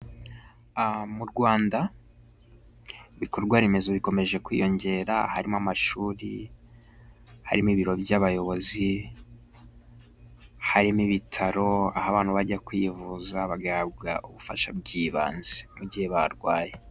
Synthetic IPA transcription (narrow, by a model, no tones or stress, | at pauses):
muɾɡwaːnda | βiko̞ɾɡwaɾimezoβiko̞me̞ʒe̞kwḭjo̞ɲɟe̞ɾa̰ha̰ɾimamaʃuːɾḭ | ha̰ɾimiβiɾo̞bjaβajo̞βo̞zi | haɾimiβitʰaɾo̞ahaβaːn̥huβaɟakwivuzaβaɡaɾabɡa̰uβufa̰ʃa̰b̚ɟiːβa̰ːnzemuɟiheβa̰ɾɡwaːje